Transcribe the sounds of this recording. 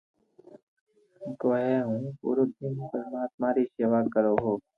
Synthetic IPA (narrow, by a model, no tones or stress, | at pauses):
k̪oːɦɛːɦũːpṵːɾoːd̪ɪnpəɾmaːt̪̚maːɾiːseːʋaːkəɾoːɦoː